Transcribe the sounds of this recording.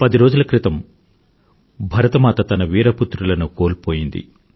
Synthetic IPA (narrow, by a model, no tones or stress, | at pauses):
pɐd̪iɾo̞ːd͡ʒulɐkɾit̪ɐm | bʱɐɾɐt̪ɐmaːt̪ɐt̪ɐnɐʋiːɾɐput̪ɾulɐnukoːlpo̞ːjind̪ḭ